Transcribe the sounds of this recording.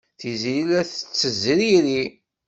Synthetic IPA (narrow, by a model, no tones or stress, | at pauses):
θiziilæθə̥t͡sːəzɾiɾi